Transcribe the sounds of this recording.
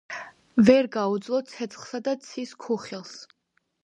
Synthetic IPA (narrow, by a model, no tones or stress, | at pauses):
vɛɾɡaud̪zlˠɔsʰɛt̪sʰχsad̪at̪sʰiskʰuχilˠs